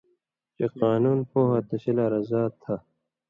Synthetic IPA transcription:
t͡ʃeqaːnuːnpoːɦat̪ɐɕilaɾɐzaːt̪ʰːa

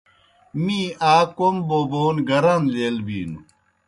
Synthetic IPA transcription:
miːaːkomboːboːnɡɐɾɐnleːlbḭːnu

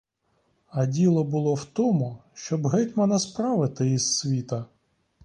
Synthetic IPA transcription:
ɐdʲilˠɔbʊlˠɔwt̪ɔmʊʃt͡ʃɔbɦɪtʲmɐnɐspɾɑʋɪt̪ɪisːʋʲit̪ɐ

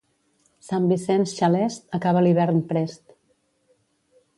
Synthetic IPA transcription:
sambisɛnsʃalɛst̪əkaβəliβ̞ɛɾnpɾɛst̪

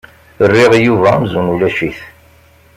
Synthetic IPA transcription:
ərːiʁjuvæmzunulæʃiθ

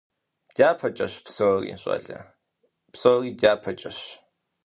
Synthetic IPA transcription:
d̥aːpʰɐt͡ʃʼɐɕpsoːrḭːɕʼɐ̰ɮɐ̰ | psoːriːdaːpʰɐt͡ʃʼɐɕ

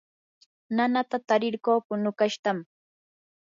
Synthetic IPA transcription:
nanat̪at̪aɾɪɾkoːkʊnʊkaʃt̪am

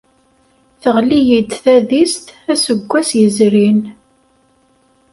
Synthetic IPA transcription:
θəʁlijid̪θæðist̪æsəɡʷːæsjəzɾin

